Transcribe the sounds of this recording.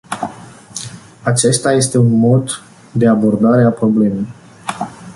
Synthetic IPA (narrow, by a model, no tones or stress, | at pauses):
at͡ʃe̞st̪aje̞st̪e̞unmo̞d̪ː | e̞abo̞rd̪aɾe̞apɾo̞ble̞me̞j